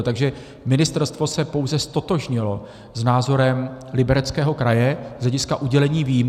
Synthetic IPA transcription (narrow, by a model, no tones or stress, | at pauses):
t̪aɡʒɛ | mɪnɪst̪ɛɾst̪vo̞sɛpo̞wzɛst̪o̞t̪o̞ʒɲɪlo̞ | znaːzo̞ɾɛmlɪbɛɾɛt͡skɛːɦo̞kɾajɛz̥lɛɟɪskaʔuɟɛlɛɲiːviːjm